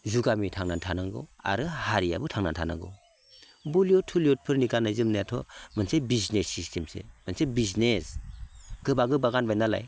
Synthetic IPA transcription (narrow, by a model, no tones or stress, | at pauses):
zuɡamitʰaŋnantʰanaŋɡɯa̰ɾɯhaɾija̰bɯtʰaŋnantʰana̰ŋɡɯ̰w | buliɔtʰuljɔt̚pʰɯɾnikanajzɯmnajatʰɔ̰mɯnsebiznesːistʰemsḛmɯnsebiznes | ɡɯbaɡɯbaɡanbajnala̰j